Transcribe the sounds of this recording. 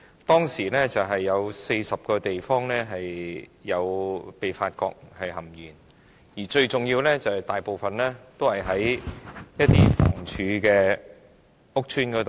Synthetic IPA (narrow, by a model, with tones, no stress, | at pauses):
t̪ɔː˥ŋsiː˨˩lɛː˥t͡sɐ˨wɦɐ˨jːɐ˨˧wse˧jsɐ˨p̚kɔː˧t̪e˨jfɔː˥ŋlɛː˥ɦɐ˨jːɐ˨˧wpe˨jfaː˧t̚kɔ̰ː˧k̚hɐ˨jɦɐ˨˩mjiː˨˩n | jiː˨˩t͡ʃɵ˧ɥt͡sʊ˨˩ŋjiː˧wlɛ˥t͡sɐ˨whɐ˨jt̪aː˨jpo˨wfɐ˨nlɛː˥t̪o˥whɐ˨jɦɐ˨˥jjɐ˥t̚t̪iː˥fɔ̰ː˨˩ŋt͡ʃʰyː˨˧˥kɛː˧ | ʊ˥k̚t͡ʃʰyː˥nkɔː˨˥t̪o˨